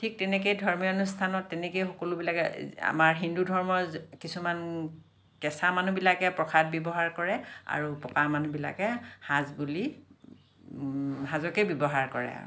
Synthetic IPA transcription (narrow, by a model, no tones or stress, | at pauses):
tʰik̚tɛnɛk̬ejdʱɔɹmionustʰanɔtːɛnɛkejxɔkɔlubilakɛ̰a̰maɹɦindudʱɔɹmɔkisuman | kɛsamanubilakɛpɹɔkʰad̚bjɔbɔɦaɹkɔɹɛa̰ɹupɔkamanubila̰kɛhazbuli | ɦazɔkebjɔbɔɦaɹkɔɹɛ̰a̰ɹu